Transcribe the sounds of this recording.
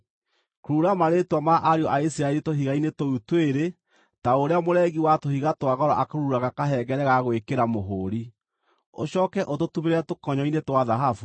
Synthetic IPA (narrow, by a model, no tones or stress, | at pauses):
koɾuɾamaɾetwamaʔaɾeɔʔaisiɾaɛɾitoɦiɣainetoutweɾe | taoɾeamoɾɛɣiwatohiɣatwaɣɔɾɔʔakoɾuɾaɣakaɦɛɡɛɾɛɣaɣwekeɾamoɦoːɾi | o̰ɕɔːkɛʔototumeɾeɾɛtokɔɲɔinetwaðaɦafu